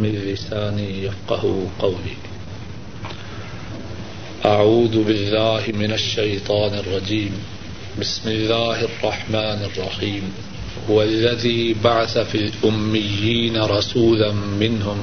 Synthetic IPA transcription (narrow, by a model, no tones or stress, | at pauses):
mɪlːɪsaːnijafqɑhʊqɑwliː | ʔaʕuːðbɪlːaːhɪmɪnaʃːajt̪ˤɑːnɑrˤːɑd͡ʒiːm | bɪsmɪlːaːhɑrˤːɑħmaːnɑrˤːɑħiːm | hʊwalːaðiːbaʕaθafilʔʊmːɪjːiːnaɾˤɑsuːlamɪnhʊm